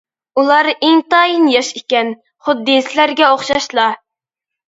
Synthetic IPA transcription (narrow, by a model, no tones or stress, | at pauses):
ulˠɑɾeŋt̪ɑjinjɑʃikʲɛn | χʊd̪ːisɪlæɾɡʲɛoχʃɑʃlˠɑ